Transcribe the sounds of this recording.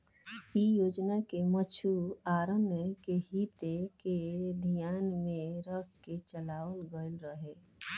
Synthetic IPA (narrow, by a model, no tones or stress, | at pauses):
ijoːd͡ʒnakemət͡ʃʰuaːɾənəkeɦit̪eked̪ʱijaːnmẽɾəkket͡ʃəlaːwəlɡəlɾəɦeː